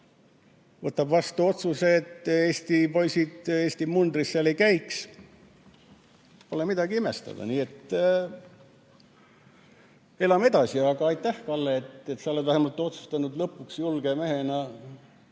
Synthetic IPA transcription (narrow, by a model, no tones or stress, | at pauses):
vɤt̪ːˑɑbvɑst̪uo̞t̪suseːt̪ːˑeːsʲt̪ipo̞jsid̪̥e̞ːsʲt̪imund̪risːɑlekæjks | po̞lemid̪̥ɑɡiimest̪ɑ̰d̪̥ɑ̰niːe̞t̪ː | e̞lɑme̞d̪̥ɑsiɑɡ̥ɑɑjt̪ˑːæhkɑlːeet̪ːet̪sɑolevæhemɑt̪ːˑeo̞t̪su̥st̪ɑnud̪lɤpːˑuksjulɡ̥eme̞ɦe̞nɑ